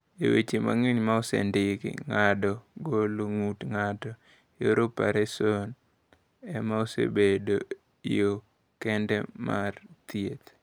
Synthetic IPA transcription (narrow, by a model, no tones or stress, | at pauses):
ewet͡ʃema̰ŋiɲmaosḛndɪkɪ̰ŋadɔɡoloŋutŋatɔ | joɾopaɾɛson | ɛmaosḛbedo | ijo | kɛndɛmart̪jet̪